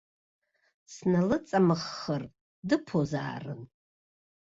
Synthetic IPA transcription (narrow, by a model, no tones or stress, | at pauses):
snalɨt͡sʼamɨχːər | dɨpʰoza̰ːrɨ̰n